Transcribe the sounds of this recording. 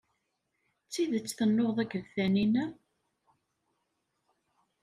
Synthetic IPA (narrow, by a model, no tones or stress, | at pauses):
t͡sːiðət͡sːθənːoðˤæɡəðθæninæ